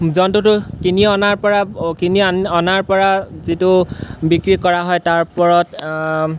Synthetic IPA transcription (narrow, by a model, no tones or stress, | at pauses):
zɔntʊtʊkiniɔnaɹpɔɹakiniɔnaɹpɔɹazitʊbikɹikɔɹaɦɔjtaɹpɔɹɔt